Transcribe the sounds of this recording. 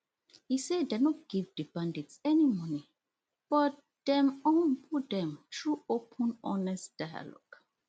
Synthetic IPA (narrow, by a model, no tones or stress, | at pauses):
hisedenɔt̚ɡ̥ivdibãndĩtsɛnimɔni | b̥ɔt | d̥ɛ̃mɔ̃npʰut̚dɛ̃mtʰɹuopʰə̃nɔnɛstd̥aja̰lɔ̰ɡ